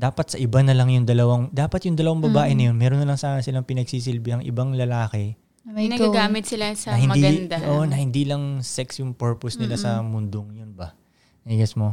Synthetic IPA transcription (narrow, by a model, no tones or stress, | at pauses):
d̪aːpɐt̪sɐʔɪbanɐlɐŋjʊŋd̪ɐlɐwaŋd̪aːpɐt̪jʊŋd̪ɐlɐwaŋbɐbaːʔɪnɐjo̞nmɛːɾonːɐlɐŋsaːnɐsɪlaŋpɪnɐɡ̚siːs̬ɪlbɪhɐŋʔɪ̰baŋlɐlaːkɛ | nːaɡaːmɪt̪sɪlasɐhɪnmɐd̪iɡɐnd̪aoʔnɐhɪnd̪iːlɐŋsɛksjʊŋpɛɹposnɪlasɐmʊnd̪oŋjonbɐ | ɛɡɐsmo̞